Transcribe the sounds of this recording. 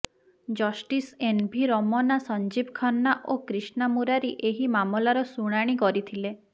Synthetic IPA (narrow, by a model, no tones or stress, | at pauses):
d͡ʒɔsʈisenbʱiɾɔmɔnasɔnd͡ʒibkʰɔnːaʔokɾisnamuɾaɾeʔeɦimamɔlaɾɔsuɽ̃aɽ̃ikɔɾit̪ʰile